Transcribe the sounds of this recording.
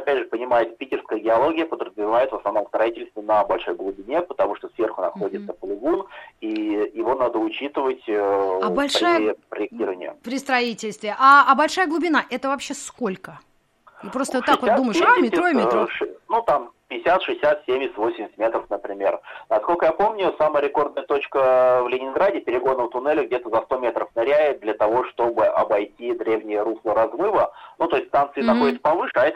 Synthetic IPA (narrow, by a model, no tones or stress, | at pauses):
ɐpʲædʲʐɨpənʲɪmajɪt̪pʲitʲɪrskəjəɡʲɪɐlˠo̞ɡʲɪjəpəd̪ɾəzvʲɪvajɪt̪vəsnɐvno̞mst̪ɾɐitʲɪlʲst̪vʲɪnəbɐlʲʂo̞jɡlˠʊbʲɪnʲepət̪ɐmuʂt̪osvʲe̞rxʊnɐ̰xo̞dʲɪt̪səpəlʲˠɪɡunijɪvo̞nad̪əʊt͡ɕit̪ɨvətʲəɐbɐlʲʂɾajəpɾəjɪk̚tʲiɾəvənʲɪ̰jə̰pɾʲɪst̪ɾɐitʲɪlʲst̪vʲɪʔaːbɐlʲʂajəɡlˠʊbʲɪnaʔɛt̪əvɐpɕːeskolʲkə | ipɾot̪əvott̪ːakvod̪uməjɪʂamʲɪt̪ɾomʲʂnut̪ampʲɪɪsʲat̪ʂɨɪsʲat̪sʲemʲɪsʲt̪ʲvo̞sʲɪmʲsʲɪt̪̚ʲmʲet̪ɾəfnəpɾʲɪmʲe̞̰rnɐskolʲkəjapo̞mnʲʊsaməəɾʲɪko̞rd̪nəjət̪ot͡ɕkəvlʲɪnʲɪnɡɾadʲɪpʲɪɾʲɪɡo̞nəət̪ʊnɛlʲɪɡ̚dʲet̪əzɐst̪o̞mʲet̪ɾəfnɐɾʲæjɪd̪lʲət̪ɐvo̞ʂt̪o̞bɨʔɐbɐjtʲid̪ɾʲevnʲɪjəɾuslˠəɾɐzmɨvənut̪o̞ɪsʲt̪ʲst̪ant̪sɨːɐxodʲɪt̪sə̥pɐvɨʂɨɐɛt̪